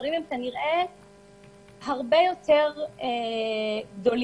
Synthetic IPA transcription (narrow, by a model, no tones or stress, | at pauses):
ʁimemkaniʁʔe | haʁbejo̞te̞ʁe | ɡdo̞l